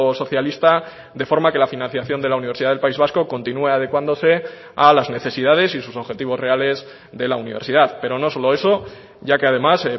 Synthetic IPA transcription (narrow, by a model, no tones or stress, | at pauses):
so̞θjalist̪a | ðe̞fo̞ɾmake̞lafinãn̟θjaθjo̞nd̪e̞launiβ̞e̞ɾsiðaðelpaizβ̞asko̞ko̞nt̪inue̞að̞e̞kwand̪o̞se̞ | alazne̞θe̞siðaðe̞sisuso̞βxe̞t̪iβ̞o̞zre̞ale̞z | ðe̞launiβ̞e̞ɾsiðaðpe̞ɾo̞no̞so̞lo̞e̞so̞ | ɟ͡ʝake̞aðe̞mase